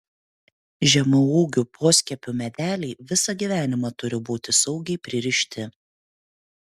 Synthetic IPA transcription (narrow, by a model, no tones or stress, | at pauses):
ʒʲɛmʊuːɡʲupʰoːsʲkʲɛpʲʊmʲɛd̪ʲæːlʲiːʋʲɪsɐɡʲiʋʲæːnʲɪmɑt̪ʊɾʲɪbuːt̪ʲɪsɐʊɡʲɛɪpʲɾʲɪɾʲɪʃʲt̪ʲɪ